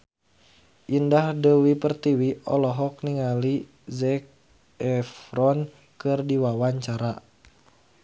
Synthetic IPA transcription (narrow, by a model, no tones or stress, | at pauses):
ʔindahdəwipərt̪iwiʔɔlɔɦɔk̚niŋali | zɛk̚ | ɛfɾɔn | kɨrdiwawaɲt͡ʃaɾa